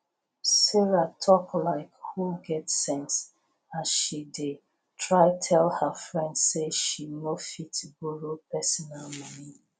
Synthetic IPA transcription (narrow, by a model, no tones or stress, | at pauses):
siɹatʰɔklaɪkhuɡɛtːɛ̃ns | ãnʃide | tʰɹaɪtʰɛlhəfɹɛ̃ndseʃinofitbuɹopɛsɔnalmɔni